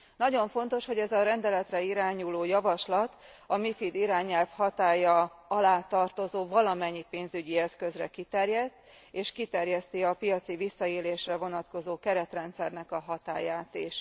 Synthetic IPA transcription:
nɒɟo̞ɱfo̞n̪t̪o̞ʃho̞ɟɛzɒɾɛnd̪ɛlɛt̪rɛiɾaːɲuloːjɒvɒʃlɒt̪ | ɒmifid̪iɾaːɲɛlfhɒt̪aːjɒɒlaːt̪ɒrt̪o̞zoːvɒlɒmɛɲːipeːnzyɟiɛskø̞zrɛkit̪ɛrjɛt̪ː | eːʃkit̪ɛrjɛst̪iɒpijɒt̪sivisːɒeːleːʃrɛvo̞nɒt̪ko̞zoːkɛɾɛt̪rɛnt̪sɛrnɛkɒɦɒt̪a̰ːjaːt̪eʃ

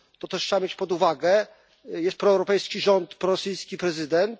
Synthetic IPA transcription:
t̪ɔt̪ɛʂt͡ɕabamʲjet͡ɕpɔd̪uvaɡɛ | jɛst̪̚pɾɔɛwɾɔpɛjskʲiʐɔnt̪pɾɔɾɔsɘjskʲipɾɛzɘd̪ɛnt̪

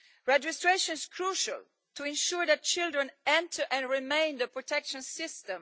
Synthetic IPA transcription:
ɹɛd͡ʒɪstɹeʃɔ̃nɪz̥kʰɹuʃa̰l | tʰuɪ̃nʃuɹd̪æt̚t͡ʃɪldɹɛ̃nɛ̃ntʰə˞ʔɛ̃nɹimẽɪ̃nd̪əpɹɔtʰɛkʃɔ̃nsɪstɛ̃m

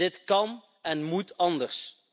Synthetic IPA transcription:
ɪtkɑn | ɛnmutɑndəɹs

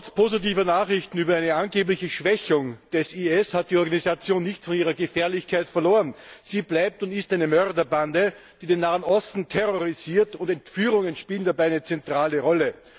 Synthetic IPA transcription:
ɔspʰoːzitiːvɐnaːχʁɪçtn̩yːbɐæɪnəanɡeːp̬lɪçəʃv̥ɛçʊŋd̥ɛsiɛshat̚d̥iːɔɐɡanizat͡sjoːnːɪçt͡sfɔniːʁɐɡəfɛɐlɪçkʰaɪtfɛɐloːənz̥iːblaɪp̚tʊntɪstæɪnəmœʁdɐbandəd̥iːdeːnːaːənʔɔstn̩tʰɛʁoʁiziːɐtʊntɛntfyːʁʊŋənʃpiːlən̩dabaɪæɪnət͡sɛntʁ̥aːləʁɔlə

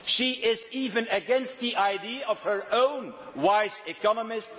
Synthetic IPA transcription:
ʃiʔɪziːvə̃nəɡɛ̃nst̪̚ðiʔaɪdiəɔv̥hə˞ʔõʊ̃nwaɪzɪkɑnəmɪst

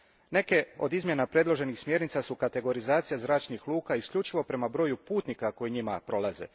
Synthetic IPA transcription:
ne̞ke̞o̞d̪izmje̞napɾe̞dlˠo̞ʒe̞nixsmʲje̞ɾnit̪sasukat̪e̞ɡo̞ɾizaːt̪sijazɾaːt͡ʃnixlˠuːkaiskʎut͡ʃiʋo̞pɾe̞mabɾo̞jupuːt̪nikako̞jiɲima̰pɾo̞lˠazḛ

